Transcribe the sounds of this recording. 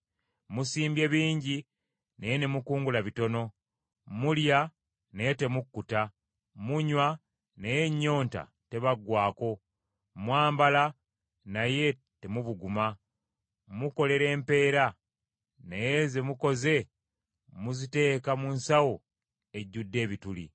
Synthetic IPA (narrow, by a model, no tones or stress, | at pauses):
musiːmbje̞βiːɲɟi | nejene̞mukuːŋɡulaβito̞no̞ | mulja | neje̞te̞mukːuta | muɲwa | nejeɲːo̞ːnta̰ | te̞βaɡwaːko̞ | mwaːmbala | naje̞ | te̞muβuɡuma | muko̞le̞ɾe̞ːmpe̞ːɾa | nejeze̞muko̞ze̞ | muzite̞ːkamunsawo | e̞ɟːudːe̞ːβitulḭ